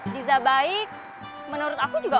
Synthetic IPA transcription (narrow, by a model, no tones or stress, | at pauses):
dizabaɪk̚ | mənuɾʊt̪akud͡ʒuɡa